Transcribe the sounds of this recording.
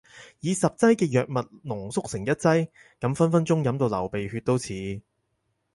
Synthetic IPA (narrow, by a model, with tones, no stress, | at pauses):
jiː˨˧sɐ˨p̚t͡sɐ˥jkɛː˧jœː˨k̚mɐ˨t̚nʊ˨˩ŋsʊ˥k̚sɪ˨˩ŋjɐ˥t̚t͡sɐ˥j | kɐ˨˥mfɐ˥nfɐ˥nt͡ʃʊ˥ŋjɐ˨˧˥mt̪o˧wlɐ˨˩wpe˨jhyː˧t̚t̪o˥wt͡sʰiː˨˥